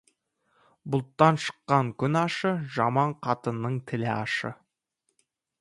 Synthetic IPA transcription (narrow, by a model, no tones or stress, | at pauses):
bʊlˠt̪ːɑnʃə̥qːɑŋkʲʰʏnɑʃəʒɑmɑɴqʰɑt̪ənːəɴt̪ʰɪlɪɑ̰ʃə̰